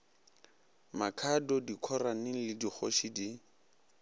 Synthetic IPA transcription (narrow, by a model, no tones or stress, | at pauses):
makʰadɔdikʰɔranɪlɪdik͡xʰɔ̰ʃidi